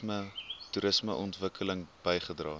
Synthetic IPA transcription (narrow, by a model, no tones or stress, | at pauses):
mətuɾəsməʔɔntvəkʰələŋb̥əjχədrɑː